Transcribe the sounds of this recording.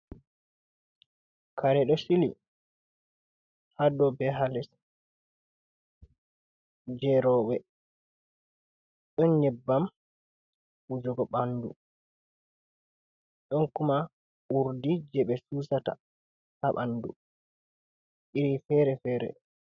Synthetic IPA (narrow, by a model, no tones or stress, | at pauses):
kaɾɛɗɔsilḭ | hadɔbɛɦalɛs | d͡ʒɛɾɔwɛ | ɗɔnɲɛbːam | ud͡ʒɔɡɔɓandṵ | ɗɔnkuma | uɾdid͡ʒɛɓɛsuːsata̰ | haɓa̰ndu | ɗiɾifɛɾɛfɛːɾɛ̰